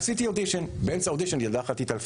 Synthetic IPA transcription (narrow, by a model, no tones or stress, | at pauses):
sit̪iod̪iʃonbensaod̪iʃonjadaχat̪it̪alf